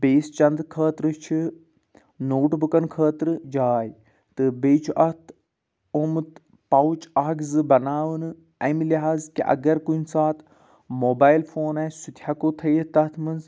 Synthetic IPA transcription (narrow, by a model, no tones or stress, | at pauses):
beːst͡ʃɐnd̪kʰəːt̪ɾɨt͡ʃʰi | noːʈbukɐnkʰəːt̪ɾɨd͡ʒaːj | t̪ɨbeːt͡ʃʰuʔɐt̪ʰ | omɨt̪ | pɐwut͡ʃaːɡzɨbɐnaːʋɨnɨ | ɐmiliɦaːzkḭʔɐ̰ɡɐɾkunʲsaːt̪ | moːbaːjlfʰoːnɐsut̪ʰhɐkot̪ʰɐjt̪ɐt̪ʰmɨnz